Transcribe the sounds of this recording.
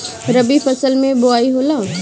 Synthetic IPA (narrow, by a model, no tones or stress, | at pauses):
ɾɐbipʰɐsəlmẽboaːiɦoːlaː